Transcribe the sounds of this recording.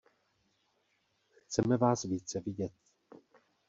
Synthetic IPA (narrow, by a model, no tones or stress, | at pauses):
xt͡sɛmɛvaːsviːt͡sɛvɪɟɛt̪̚